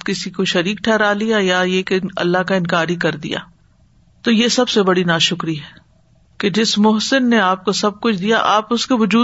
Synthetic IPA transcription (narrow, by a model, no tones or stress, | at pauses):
kɪsikoʃɐɾiːkʈʰɛːɾaːlijajajekeɐ̰lːaɦkaɪ̃nkaːɾikɐɾd̪ḭja̰ː | t̪ojesɐbsebɐɽinaːʃʊkɾiɦɛː | ked͡ʒɪsmʊɦsɪnːeaːp̚kosɐb̚kʊt͡ʃʰd̪ijaʔa̰ːpʊskeʋʊd͡ʒuː